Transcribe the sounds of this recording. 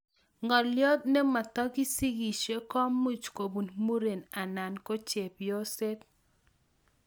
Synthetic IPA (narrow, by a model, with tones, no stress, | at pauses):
ŋɔ˨ljɔ˦t̪̚ne˦ma˨t̪ɔ˦ɡi˦si˦ɡi˨ʃe˦kɔ˦mːu˦t͡ʃko˨bu˨nmu˦ɾe˨na˨na˨nko˦t͡ʃe˨pjɔ˦se˦t̪̚